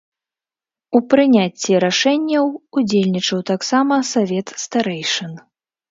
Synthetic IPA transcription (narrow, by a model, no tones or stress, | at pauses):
upɾɨnʲat͡sʲːiɾaʂɛnʲːɐwud͡zʲelʲnʲit͡ʂɐwt̪aksamɐsavʲɛt̪st̪aɾɛjʂɐn